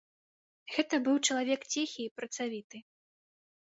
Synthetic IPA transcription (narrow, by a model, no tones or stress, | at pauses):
ɣɛt̪ɐbɨwt͡ʂɐlˠavʲɛkt͡sʲɛxʲiːpɾɐt̪savʲit̪ɨ